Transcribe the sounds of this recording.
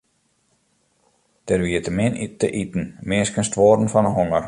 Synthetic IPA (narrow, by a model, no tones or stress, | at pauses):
d̥ɛrʋiətəmɪnitəʔitn̩meːskənstʋoːdn̩fɔnəɦɔŋər